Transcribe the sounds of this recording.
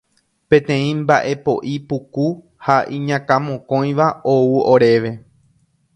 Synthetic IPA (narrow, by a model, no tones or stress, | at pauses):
pẽ̞t̪ẽ̞ĩmba̰ʔe̞po̞ʔipuku | haʔĩɲãkãmõkõ̞j̃ʋaouoɾe̞ʋe̞